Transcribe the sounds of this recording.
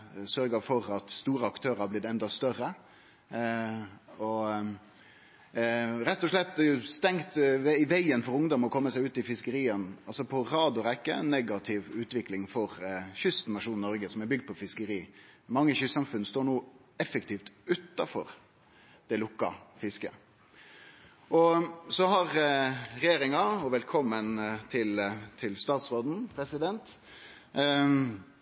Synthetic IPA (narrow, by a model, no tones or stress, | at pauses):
sœɾɡəfɔɾɑt̪st̪uːɾəɑkt̪ʰøːɾəhɑblɪtd̪ɛnd̪ɑst̪œɾːə | ɔ | ɾɛt̪ːɔʂɭɛt̪̚ːd̪ɛjʊst̪ɛŋt̪ɪʋæɪənfɔɾʊŋd̪ɔmɔkʰɔmːəsæɪʉːt̪ɪfɪskəɾiːənɑlsɔpʰɔɾɑːd̪ʊɾɛkːəæ̰ɪnːɛɡɑt̪ʰɪʋʉːt̪ʋɪklɪŋfɔɾçʏst̪nɑʂuːnnɔɾɡəsɔmɛbʏɡ̚d̪̚pɔfɪskəɾiːmɑŋːəçʏsɑmfʉnːst̪oːɾɳuː | ɛfəkt̪ʰiːft̪ʉt̪ːɑfɔɾ | d̪̥ɛlʊkːɑ̰fɪskə̰ | ʔɔsɔhɑɾɾɛjeːɾɪŋɑɔʋɛlkʰɔmːənt̪ʰɪlt̪ʰɪlst̪ɑːt̪sʁoːd̪n̩pʰɾɛsɪd̪ɛnt̪